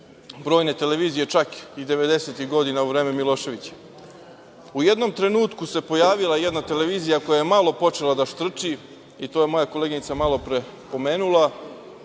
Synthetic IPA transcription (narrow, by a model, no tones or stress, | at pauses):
bɾo̞ːjne̞t̪e̞le̞ʋiːzije̞t͡ʃakid̪e̞ʋe̞d̪e̞set̪iɣɡo̞d̪inauʋɾe̞ːme̞milˠo̞ːʃe̞ʋit͡ɕe̥ | ujed̪no̞mt̪ɾe̞nuːt̪kuse̞po̞jaːʋilˠaje̞d̪nat̪e̞le̞ʋiːzijako̞jajemalˠo̞po̞t͡ʃe̞lˠad̪aʃt̪r̩t͡ʃi | it̪oːje̞mo̞jakoleːɡinit̪samalˠo̞pɾe | po̞me̞ːnulˠa